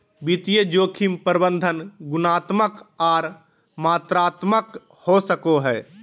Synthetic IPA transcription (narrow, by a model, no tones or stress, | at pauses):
bit̪ijəd͡ʒoːkʰimpəɾbə̃nd̪ʱənɡʊnaːt̪məkaːɾ | maːt̪ɾaːt̪mək | hosəkoɦɛː